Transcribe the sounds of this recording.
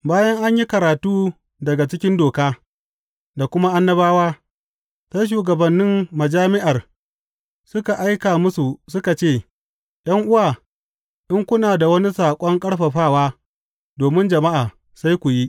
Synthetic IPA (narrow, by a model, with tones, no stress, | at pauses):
baː˦jɐ˦ŋʔa˦ɲji˦kɐ˨ɾaː˨tuː˦ | dɐ˨ɡa˨t͡ʃɪ˦kʲɪ˦ndoː˨kaː˦ | da˨kʷʊ˦ma˦ʔa˦nːɐ˦baː˦waː˦ | sa˦jʃ̬uː˨ɡɐ˨bɐ˨nːɪ˦mːɐ˨d͡ʒaː˦mɪ˦ʔa˨r | sʊ˦ka˨ʔa˦jkaː˨mʊ˦su˨sʊ˦ka˨t͡ʃeː˦˨ | j̰ɐ˦ŋʔʊ˦waː˨ | ʔɪ˦ŋkʷʊ˦naː˨da˨wɐ˦ni˦saː˨kʷʼɔ˦ŋkʼɐ˦ɽɸɐ˨ɸaː˦˨waː˦ | doː˨mɪ˦nd͡ʒɐ˨ma˦ʔaː˨ | sa˦jkʷu˨ji˦ʔ